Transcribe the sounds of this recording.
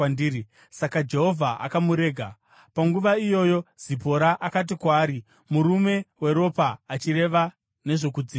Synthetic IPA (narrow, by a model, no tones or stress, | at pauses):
ndii | sakad͡ʒe̞ɦo̞vʱaʔa̰kamuɾe̞ːɡʱa | paŋɡuʋaijo̞ːjo̞z̥ipo̞ɾaʔakat̬ikwaːɾi | muɾume̞we̞ɾo̞paːt͡ʃiɾe̞ʋa | ne̞ʐo̞kud͡ziːa